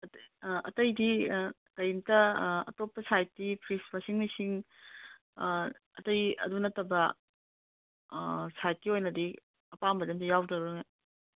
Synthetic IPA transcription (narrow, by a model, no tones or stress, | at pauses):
ʔɐ̰tɐjdi | tɐjntɐɐ̰topːɐsajtːipʰɾispɐsiŋmɐsiŋ | ɐ̰tɐjɐ̰dunɐtːɐbɐ | sajt̚kiojnɐdi | ɐpambɐdɐmtɐjawdɐɾuŋe